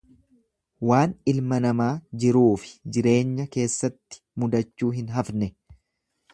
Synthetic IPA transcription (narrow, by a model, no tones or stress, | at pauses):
waːnɪlmɐnɐmaːd͡ʒɪɾuːfɪ̥d͡ʒɪɾe̞ːɲːɐke̞ːsːɐt̪ːɪ̥mʊd̪ɐt͡ʃːuːɦɪnɦɐfnɛ